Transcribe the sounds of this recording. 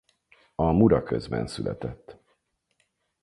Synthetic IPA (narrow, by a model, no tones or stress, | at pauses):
ɒmuɾɒkøzbɛnsylʔɛt̪ɛt̪ː